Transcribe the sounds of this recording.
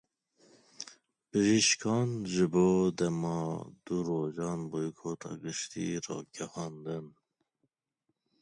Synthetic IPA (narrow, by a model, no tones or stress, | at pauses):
b̥ɨʒiʃkʰɑːnʒɨboːd̪ɛmɑd̪̥uɾoːʒɑːnbojkʰoːt̪ʰɑ̰ːɡɨʃt̪ḭɾɑ̰ːɡ̥ɛhɑːnd̪ɨn